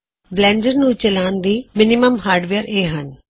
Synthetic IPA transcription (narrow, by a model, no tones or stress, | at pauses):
blɛ̃ːɳɖəɾnũːt͡ʃəlaːnd̪iːmɪnɪməmɦaːɾɖʋeəɾeːɦən